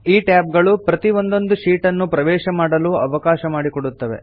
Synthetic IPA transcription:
iːʈaːb̚ɡɐɭupɾɐt̪io̞nd̪o̞nd̪uʃiːʈɐnːupɾɐʋɛːʃɐmaːɽɐluːɐʋɐkaːʃɐmaːɽikoɽut̪ːɐʋe̞̰

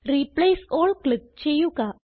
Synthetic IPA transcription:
ɾiplejsoɭklip̚t͡ɕejuka

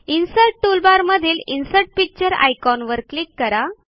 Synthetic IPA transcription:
insəlʈ̚ʈulbaɾməd̪ʱiːlinsəʈ̚pik̚t͡ɕəɾa̰jkɔnʋəɾklikːəɾa

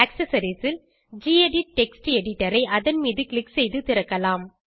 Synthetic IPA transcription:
ɐksɐsɐɾisɪl | d͡ʒiːeɖiʈɛksʈɛɽɪʈːɐɾɐɪʔɐðɐnmiːðɯklɪksɛjðɯt̪ɪɾɐkːɐlaːm

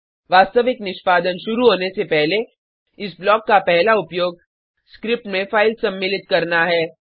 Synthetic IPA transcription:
ʋaːst̪əʋɪknɪʃpaːd̪ənʃʊɾuɦoːnesepɛɦle | ɪsblɔːkːapɛɦlaʊpjoːɡ̚ | skɾɪp̚ʈmẽfaːɪlsɐ̃mːɪlɪt̪̚kɐɾnaɦɛː

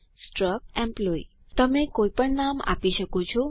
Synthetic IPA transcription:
sʈɾək̚ɛ̃mploḭ | t̪əmekoipəɳnama̰piʃəkot͡ʃʰo

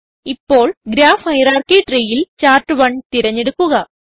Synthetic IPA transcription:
ipːo̞ːɭɡɾaːfhɐjɾaːrkiʈriːjilt͡ɕaːrʈːɨʋɐɳt̪iɾɐɲːe̞ɽukːuɣɐ

